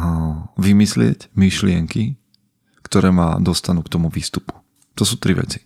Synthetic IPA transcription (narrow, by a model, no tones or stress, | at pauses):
ʋimislɪɛ̰cmiʃlɪɛŋki | kt̪ɔɾɛːma̰d̪ɔst̪anuːkt̪ɔmuʋiːst̪upu̥ | t̪ɔsuːt̪ɾiʋɛ̰t͡si̥